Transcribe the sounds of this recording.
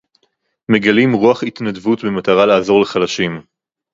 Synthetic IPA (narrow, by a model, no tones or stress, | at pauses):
me̞ɡalimʁuaχit̪nadvutbemat̪aʁalaːzo̞ʁleχalaʃim